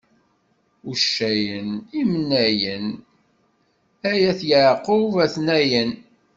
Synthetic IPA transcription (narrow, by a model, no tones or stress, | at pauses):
uʃːæjənimnːæjən | æjæθjəʕqːovæθnæjən